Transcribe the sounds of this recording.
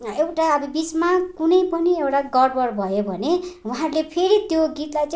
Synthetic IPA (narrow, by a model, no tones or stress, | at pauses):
ewʈaʌbʌbit͡smakunʌjpʌniewʈaɡʌɖbʌrbʱʌjobʱʌnewaɦãɾulepʰeɾit̪joɡit̪lajt͡s